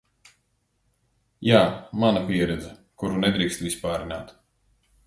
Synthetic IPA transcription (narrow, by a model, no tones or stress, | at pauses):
jaːmanapʲiɛɾɛd̪zɛkuɾunɛd̪ɾiːkst̪vispaːɾinaːt̪